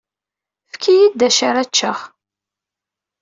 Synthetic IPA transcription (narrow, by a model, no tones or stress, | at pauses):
fkʰijid̪ːæʃaɾæt͡ʃːəχ